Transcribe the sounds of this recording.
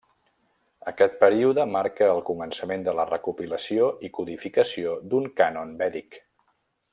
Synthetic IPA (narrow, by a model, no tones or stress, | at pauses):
əkɛt̪̚pəɾiuðəmaɾkəːlˠkumənsəmend̪ələrəkupiləsioikuðifikəsiod̪uŋkanonbɛðik